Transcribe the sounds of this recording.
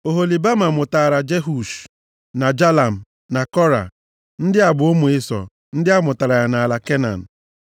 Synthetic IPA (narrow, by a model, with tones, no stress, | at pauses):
o˨ɦo˨li˨ba˦ma˨mʊ˨taː˨ɾa˨d͡ʒe˦ɦu˨ʃ | na˨d͡ʒa˦la˨m̩˨ | na˨kɔ˦ɾa̰˨ | n̩˦dɪ˦a˨bʊ˨o˦mu˨ɪ˦sɔ̰˨ | n̩˦dɪ˦a˦mʊ˨ta˨ɾa˨ja˨na˨la˨ke˦na̰˨n̩˨